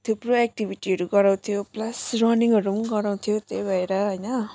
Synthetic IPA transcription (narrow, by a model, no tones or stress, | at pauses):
t̪ʰupɾuɛk̚ʈibʱiʈiɦʌɾuɡʌɾaw̃t̪ʰijoplasrɔniŋʌɾumɡʌɾaw̃t̪ʰijot̪ebʱʌjɾaɦəjnʌ